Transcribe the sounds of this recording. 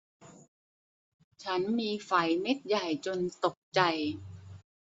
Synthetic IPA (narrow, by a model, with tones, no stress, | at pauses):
t͡ɕʰa˦˥nmiː˧fa˩˦jme˦˥t̪̚ja˨˩jt͡ɕo˧nt̪o˨˩k̚t͡ɕa˧j